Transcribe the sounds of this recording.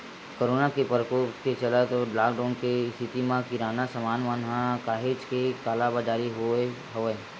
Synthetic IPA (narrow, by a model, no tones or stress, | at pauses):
koːɾoːnakepəɾkoːpket͡ʃɐlat̪olaːkɖaːnkest̪ʰɪt̪imãkiɾaːnasəmaːnʋanɦãkaːɦet͡ʃkekaːlabad͡ʒaːɾiɦo | ɦoe